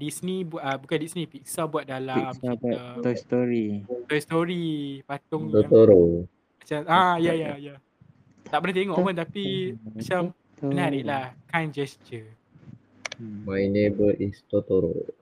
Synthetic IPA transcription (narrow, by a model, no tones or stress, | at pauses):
disnibəbukandisnĩpik̚sabuat̪̚dalamɔst̪ɔɾit̪ɔst̪oɾipat̪ʊŋot̪oɾo | mat͡ʃanajajaja | t̪aʔpənat̪eŋɔʔpont̪̬apimat͡ʃam | ənaɾɪʔlahkand͡ʒɛst͡ʃə | majnebəʔist̪ot̪oɾo̰